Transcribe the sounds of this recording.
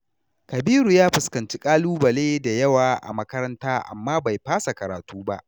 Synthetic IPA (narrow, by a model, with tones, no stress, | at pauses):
kɐ˨biː˦ɾuː˨jaː˦ɸɪ˨skɐ˨nt͡ʃi˦kʼaː˦luː˦bɐ˨leː˦da˨jɐ˦waː˨ʔa̰˨mɐ˦kɐ˦ɾɐ˦ntaː˦ʔa̰˨mːaː˦ba˨jɸaː˦sa˨kɐ˨ɾaː˨tuː˦ba̰˦ʔ